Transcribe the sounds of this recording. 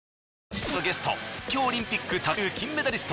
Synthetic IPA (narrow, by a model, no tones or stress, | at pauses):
onoɡe̞sɨ̥t̪o̞̰kʲoːɾʲĩmpʲikːɯt̪akɯːkʲĩmːe̞d̪aɾʲisɨ̥t̪